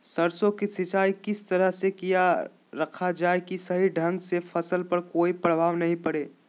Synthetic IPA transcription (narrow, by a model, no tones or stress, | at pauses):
səɾsõkesɪt͡ʃaːikɪst̪əɾəɦsekija | ɾəkʰad͡ʒaːekisəɦiɖʱə̃ŋɡsepʰəsəlpəɾkoːipɾəbʱaːʋnɐɦĩpəɽeː